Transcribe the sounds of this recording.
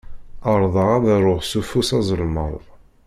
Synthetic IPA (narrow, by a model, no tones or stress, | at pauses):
əɾˤðˤəʁaðɾˤʊħsufusɑzˤəlmə̰ɾˤ